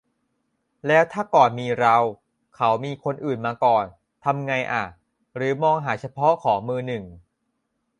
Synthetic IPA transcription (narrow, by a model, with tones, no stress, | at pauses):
lɛː˦˥wt̪ʰaː˥˩kɔː˨˩nmiː˧ɾa˧w | kʰa˦˥wmiː˧kʰo˧nʔɯː˨˩nmaː˧kɔː˨˩n | t̪ʰa˧mŋa˧jʔa̰˨˩ | ɾɯː˩˦mɔː˧ŋɦaː˩˦t͡ɕʰa˧pʰɔ˦˥kʰɔː˩˦ŋmɯː˧nɯ˨˩ŋ